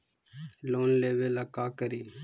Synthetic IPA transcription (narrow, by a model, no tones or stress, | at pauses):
loːnleːʋeːlaːkaːkəɾiː